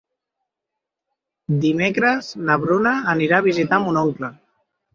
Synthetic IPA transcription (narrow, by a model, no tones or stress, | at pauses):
d̪imekɾəznəβɾunəːniɾaːβ̞izit̪amunoŋklə